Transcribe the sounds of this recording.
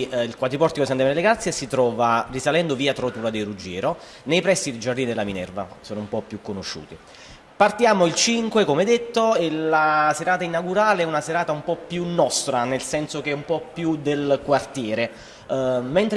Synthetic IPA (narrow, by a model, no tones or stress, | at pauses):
ilkwat̪ɾipɔrt̪ikoisant̪emɛɾleɡɾat̪sːjesit̪ɾɔːvarisalɛnd̪oviːat̪ɾot̪uɾad̪erud͡ʒɛːɾo | nejpɾɛsːid̪ed͡ʒard̪inid̪elːaminɛ̰rvasoːnoumpɔpːjukːonoʃːṵːt̪i | part̪jaːmoilt͡ʃiŋkwekomeɛd̪ːet̪ːoelaseɾaːt̪ainaɡuɾaːleɛunaseɾaːt̪aumpɔpːjunːɔst̪ɾanelsɛnsok̟eɛumpɔpːjud̪elkwart̪jɛːɾe | ment̪ɾ